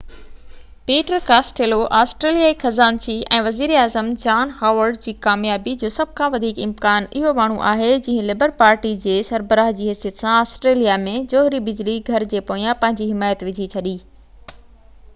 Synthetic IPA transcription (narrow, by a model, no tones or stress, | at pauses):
peːʈəɾkaːsʈeːloʔaːsʈɾeːlijaixɐzaːnsiɛ̃ːʋɐziːɾaːzəmd͡ʑaːnhaːʋəɾɖd͡ʑiːkaːmjaːbid͡ʑoːsɐb̚ʱkʰãʋɐd̪ʱiːkɪmkaːnɪɦomaːɳ̤uʔa̰ːɦed͡ʑɐ̃ːɦɪ̃lɪbəɾpaːɾʈid͡ʑeːsɐɾbəɾaːɦd͡ʑiːɦɐsijət̪sãaːsʈɾeːlijamẽd͡ʑoːɦɾibɪd͡ʑliɡʱɐɾd͡ʑeːpoːijãpɐ̃ɦɪ̃ɲd͡ʑiɦɪmaːjət̪ʋɪd͡ʑʱit͡ɕʰɐɗiː